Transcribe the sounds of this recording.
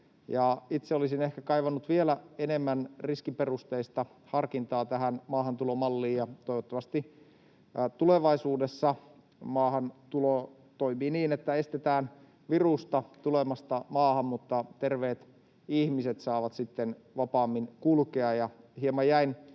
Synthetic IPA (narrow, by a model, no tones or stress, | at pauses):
jɑit̪seolisinehkækɑijʋɑnːut̪ʋielæenemːænriskiperust̪eist̪ɑ | hɑrkint̪ɑːt̪æɦænmɑːhɑnt̪ulomɑlːiːjɑt̪ojʋot̪ːɑmɑst̪i | t̪uleʋɑisuːdesːɑ | mɑːhɑnt̪ulo | t̪oimiːniːnet̪ːæest̪et̪æːn | ʋirust̪ɑt̪ulemɑst̪ɑmɑːhɑmmut̪ːɑt̪erʋeːt̪ | ihmiset̪sɑːʋɑt̪sit̪ːen | ʋɑpɑːmːinkulkeɑjɑhiemːɑjæin